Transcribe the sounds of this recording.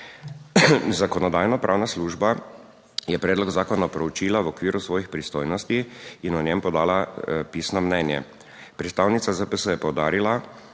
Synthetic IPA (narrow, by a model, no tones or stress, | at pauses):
zakɔnɔd̪aːjnɔpɾʔaːwnasluːʒba | jɛpɾɛːd̪lɔɡzaːkɔnapɾɛut͡ʃiːlaʋɔkʋiːɾusʋɔːjixpɾist̪oːjnɔst̪iinɔnjɛmpɔd̪aːlapiːsnɔmnɛːnjɛ̰ | pɾɛt̪st̪aːwnit̪sazəpəsəjɛpɔwd̪aːɾila